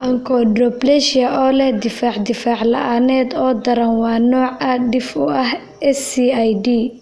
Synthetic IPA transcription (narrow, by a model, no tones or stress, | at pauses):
ʔɐŋkʰɔɖrɔblɛʃɐʔɔːlɛhd̪ɪfaːʕd̪ɪfaːʕlɐ̰ʔaːnɛːd̪ɔːd̪ɐɾɐnwɑːnɔːʕɐɖɪfʊʔɐh | ʔɛsiajdiː